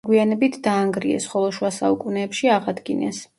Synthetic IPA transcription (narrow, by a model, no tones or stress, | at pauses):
ɡwianɛbit̪ʰd̪aːŋɡɾiɛ̰sχɔlˠɔʃwasaukʼunɛːpʃiaʁad̪ɡinɛ̰s